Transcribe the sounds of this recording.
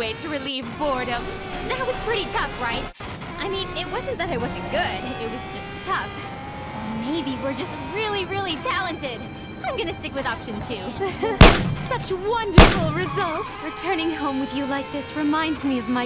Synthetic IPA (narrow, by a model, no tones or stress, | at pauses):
eɪɾɨɹilivbɔɹɾə̃m | ðɨt̚wʌz̥pʰɹ̥ɪɾitʰʌfɹaɪt̚ | ʔaɪmĩnɪt̚wʌzɨ̃n̩ðɨɾɨt̚wʌzɨ̃n̩ɡ̥ʊdɪt̚wʌzd͡ʒʌstʰʌf | meɪbiwɪɹd͡ʒʌst̚ɹɪlˠiɹɪlˠitʰælˠə̃ntɪd | ãɪ̃mɡʌñɨstɪkwɨðɑpʃɨ̃ntʰʉ | sʌt͡ʃwʌ̃ndə˞fl̩ˠɹɨzʌlˠtɹɨtʰɜ̃˞nɪ̃ŋɦõʊ̃mwɨðjɨlaɪk̚ðɪsɹɨmãɪ̃ndzmiʌvmaɪ